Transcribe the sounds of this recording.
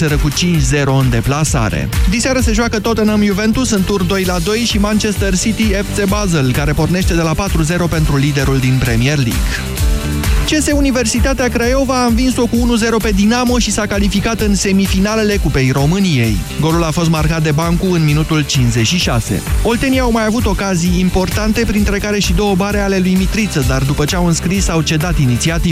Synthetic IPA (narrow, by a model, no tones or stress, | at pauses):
seɾəkut͡ʃint͡ʃze̞ɾo̞ɨnd̪e̞plasa̰ɾḛd̪iseaɾəse̞ʒuakət̪o̞t̪ɨnəmjuve̞nt̪usɨnt̪urd̪o̞jlad̪o̞jʃimant͡ʃe̞st̪ərsit̪iep̪sebazelkaɾe̞po̞rne̞ʃt̪e̞d̪e̞lapat̪ɾuze̞ɾo̞pe̞nt̪ɾulid̪e̞ɾuld̪inpɾe̞mierlḭɡ | t͡ʃe̞se̞unive̞rsit̪at̪eakɾajo̞vaːnvinso̞kuunuze̞ɾo̞pe̞d̪inamoʃisakalifikat̪ɨnse̞mifinale̞le̞kupe̞jɾo̞mɨnije̞j | ɡo̞lulafo̞s̬t̪markat̪̚d̪e̞baŋkuɨnminut̪ult͡ʃinsze̞t͡ʃʃiʃase̞̰o̞lt̪eniawmajavut̪o̞kazijːmpo̞rt̪ant̪e̞pɾint̪ɾe̞kaɾe̞ʃid̪o̞wəbaɾeale̞lujmit̪ɾit̪səd̪ard̪upət͡ʃe̞awɨnskɾisawt͡ʃe̞d̪at̪init̪siat̪i